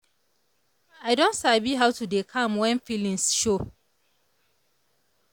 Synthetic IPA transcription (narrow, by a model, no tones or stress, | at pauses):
aɪdɔ̃ntsabiɦawtudekʰãmwɛ̃nfilĩnsʃo